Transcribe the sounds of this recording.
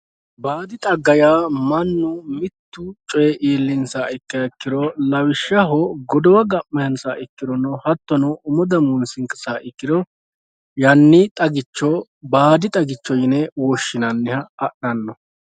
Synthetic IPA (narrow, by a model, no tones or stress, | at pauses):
baːd̪ɪt̪ʼɐɡːɐjaːmɐnːʊmɪt̪ːʊt͡ʃʼɔjɛʔeːlːɪnsaɪkːɐkːɪd̪ɔlɐwɪʃːɐɦɔɡɔd̪ɔwɐɡɐmːɛhɐnsaʔɪkːɪd̪ɔnɔhɐt̪ːɔnɔʊmɔd̪ɐmunsɪŋkʼɪsaːʔɪkːɪd̪ɔ | jɐnːɪt̪ʼɐɡɪt͡ʃːɔ | baːd̪ɪt̪ʼɐɡɪt͡ʃːɔjɪnɛwɔʃːɪnɐnːɪhɐːɗɐnːɔ